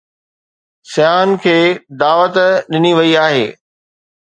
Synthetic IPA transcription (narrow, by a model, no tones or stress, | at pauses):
sɪjaːnkʰeːd̪aːʋət̪ɗɪniʋɐiaːɦeː